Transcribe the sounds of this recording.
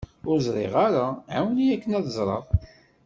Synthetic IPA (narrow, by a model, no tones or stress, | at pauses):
ʊɾzɾˤḛʁaɾaʕawnijækːənæðˤzˤɾˤɑ̰ʁ